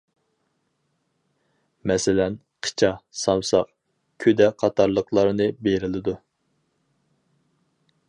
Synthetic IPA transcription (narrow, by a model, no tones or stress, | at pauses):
mɛsɪlɛn | qʰə̥t͡ʃʰɑsɑmsɑq | kʲʰød̪ɛqʰɑt̪ʰɑɾlˠəqlˠɑɾɨnɨbeɾɪlɪd̪u